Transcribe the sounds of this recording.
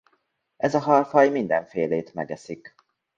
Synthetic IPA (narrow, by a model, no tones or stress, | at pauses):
ɛzɒɦɒrfɒjmind̪ɛɱfeːleːt̪mɛ̰ɡɛsik